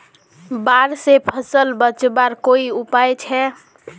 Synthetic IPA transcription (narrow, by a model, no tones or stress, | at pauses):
baɾsepʰəsəlbət͡ʃbaɾkoiupajt͡ʃʰɛ